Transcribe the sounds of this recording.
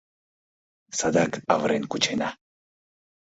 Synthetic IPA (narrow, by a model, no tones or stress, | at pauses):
sad̪akavɾeŋkut͡ʃena